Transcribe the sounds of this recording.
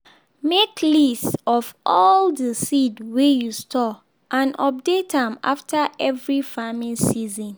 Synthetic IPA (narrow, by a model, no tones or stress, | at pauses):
mekʰlistɔfʔɔldəsidwejustʰɔ | ʔãnʔɔp̚detãma̰ftʰaʔɛvɹifamĩnsizɔ̃n